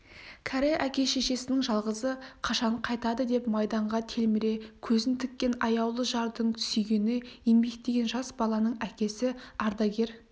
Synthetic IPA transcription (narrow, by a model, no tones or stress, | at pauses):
kʲʰæɾeʔækʲe̞ʃe̞ʃe̞sɪnɪŋʒɑlˠʁəzəqʰɑʃɑɴqʰɑjt̪ɑd̪əd̪e̞pmɑjd̪ɑɴʁɑt̪ʰe̞lmɪɾe̞kʲʰɵzɪnt̪ʰɪkʲːe̞nɑjɑwlˠəʒɑɾd̪əɴt̪ʰʏ̥sʏjɡʲenɪjembe̞kt̪e̞ɡʲe̞nʒɑsbɑlˠɑnəɴækʲe̞sɪɑɾd̪ɑɡʲe̞ɾ